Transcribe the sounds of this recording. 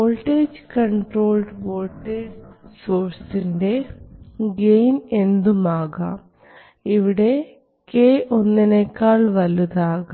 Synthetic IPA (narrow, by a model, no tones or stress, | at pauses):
oːlʈːeːd͡ʑkɐɳʈro̞ːlɖʋoːlʈːeːd͡ʑsoːrsinde̞ | ɡejne̞nd̪umaːɣɐ | iʋiɽe̞ | keːʔo̞nːinekːaːɭʋɐlːuðaːɣɐ